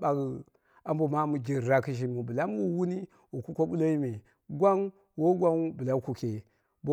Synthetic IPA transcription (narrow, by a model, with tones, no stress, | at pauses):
ba˨ɡ | a˨m˦bo˨ma˦mu˨d͡ʒi˨ɾɾa˨ki˦ʃ̬i˨mu˨bu˨la˦m˦wu˦wu˦ni˦ | wo˨ku˦kʷo˦bu˦lo˦i˦me˨ | ɡʷa˦n | wo˦ɡʷa˦n˦bu˨la˨˦ku˨ke˨ | bo˦